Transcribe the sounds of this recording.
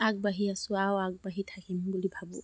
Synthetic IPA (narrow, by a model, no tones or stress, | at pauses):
ak̚bɐɦiasuawak̚bɐɦit̪ʰakimbulibʱɐbu